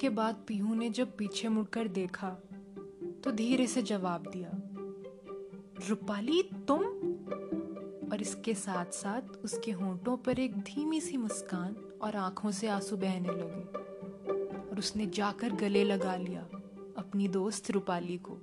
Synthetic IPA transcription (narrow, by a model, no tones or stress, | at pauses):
kebaːd̪̚piːɦũned͡ʒɐb̚piːt͡ʃʰemʊɽkəɾd̪eːkʰa | t̪od̪ʱiːɾesed͡ʒɐʋaːb̚d̪ijaː | ɾʊpaːlit̪ʊm | ɔːɾɪskesaːt̪ʰsaːt̪ʰʊskeɦõːʈõpɐɾeːk̚d̪ʱiːmisimʊskaːn | ɔːɾãːkʰõseaːsubɛɦnelɐɡeː | ɔːɾʊsned͡ʒaːkəɾɡɐlelɐɡalija̰ː | ɐpnid̪oːst̪ɾʊpaːliko̰ː